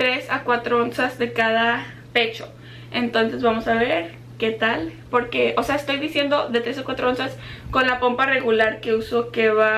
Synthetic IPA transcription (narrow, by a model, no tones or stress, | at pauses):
t̪ɾe̞sakwat̪ɾoonsazðe̞kaða | pe̞t͡ʃo̞̥ | e̞nt̪o̞nse̞zβamo̞saβe̞ɾ | ke̞t̪alpo̞ɾke̞ose̞aest̪ojðisje̞nd̪o̞ðe̞t̪ɾe̞sakwat̪ɾoonsasko̞nlapo̞mpare̞ɣulaɾke̞uso̞keβa